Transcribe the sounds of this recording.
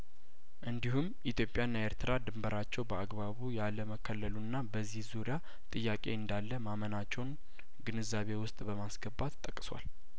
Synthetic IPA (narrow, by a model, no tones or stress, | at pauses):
ʔɨnd̪ihumʔit̪ʰjo̞pʼjanːaeɾt̪ʰɨɾad̪ɨmbəɾat͡ʃːɛwbəaɡbaβujaləməkʰːəlːəlunːabəzːihzuɾija | t̪ʼɨjːakʼe̞̰ɨnd̪alːəmamənat͡ʃːɛwn | ɡɨnɨzaβe̞wʊst̪ʼbəmasɡəbːat̪ːʼəkʼːswa̰l